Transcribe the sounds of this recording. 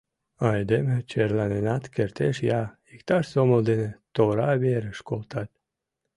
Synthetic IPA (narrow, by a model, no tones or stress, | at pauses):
ɑjd̪emet͡ɕeɾlanenɑt̪kert̪eʃjɑ | ikt̪ɑʃsoməlˠd̪enet̪oɾɑβeɾəʃkolˠt̪ɑt̪̚